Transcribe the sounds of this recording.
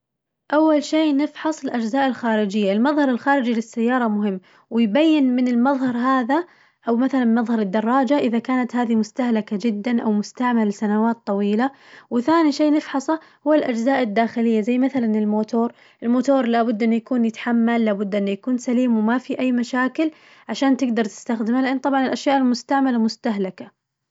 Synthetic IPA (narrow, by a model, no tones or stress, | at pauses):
ʔawːalʃeːnɪfħɑsˤɪlʔad͡ʒzaːʔɪlxaːɾɪd͡ʒɪjːaɪlmɑðˤhɑɾˤɪlxaːɾɪd͡ʒilɪsːajːɑːɾˤɑmʊɦɪmː | wɪjbajːɪnmɪnɪlmɑðˤhɑɾˤɦaːða | ʔawmaθalanmɑðˤhɑɾˤɪd̪ːɑrˤːɑːd͡ʒaʔɪðakaːnat̪haːðimʊst̪ahlakad͡ʒɪd̪ːanʔawmʊst̪aʕmalsanawaːt̪ˤːɑwiːla | wɪθaːniʃeːnɪfħɑsˤɑ | hʊwːalʔad͡ʒzaːʔɪd̪ːaːxɪlɪjːazajːmaθalanɪlmoːt̪oːɾˤ | ʔɪlmoːt̪oːɾˤlabʊd̪ːʔɪnːujakuːnjɪt̪ḁħamːalːaːbʊd̪ːʔɪnːujakuːnsaliːmwmafiʔajːmaʃaːkɪl | ʕaʃaːnt̪ɪɡd̪ɑɾˤt̪ɪ̥st̪axd̪ɪmhalɪʔanːt̪ˤɑbʕɑnɪlʔaʃjaːʔɪlmʊst̪aʕmalamʊst̪aɦlaka